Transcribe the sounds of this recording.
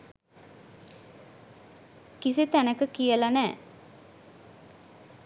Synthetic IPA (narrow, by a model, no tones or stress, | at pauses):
kisit̪ænəkəkijəlanɛː